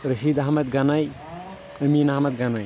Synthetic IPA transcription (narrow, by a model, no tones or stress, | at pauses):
ɾɯsid̪aɦamat̪̚ɡanaj | ɯminaɦamat̪̚ɡanaj